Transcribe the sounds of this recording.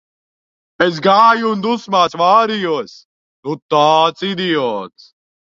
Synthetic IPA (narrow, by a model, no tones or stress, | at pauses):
es̬ɡaːjund̪usmaːsʋaːɾijuəs | nut̪aːt͡sid̪ijoːs